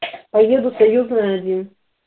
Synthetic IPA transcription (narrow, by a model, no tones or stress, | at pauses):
pɐjed̪ʊsɐjuznɨɐd͡zʲin